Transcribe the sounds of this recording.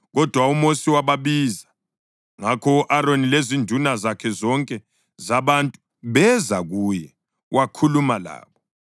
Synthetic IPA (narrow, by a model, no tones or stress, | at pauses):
ɣɔd̥ʱwaumosiwaβaβiza | ŋakʰɔuʔaɾonilezindʱunazakʰɛzɔŋkʼɛ | zaβantʼu | βɛzaɣujɛ | wʔakʰulumala̰ːβɔ